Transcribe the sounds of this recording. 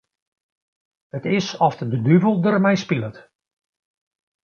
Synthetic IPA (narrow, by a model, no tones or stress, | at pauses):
hətɪsɔftədədyvəlˠdərmɛjspilˠət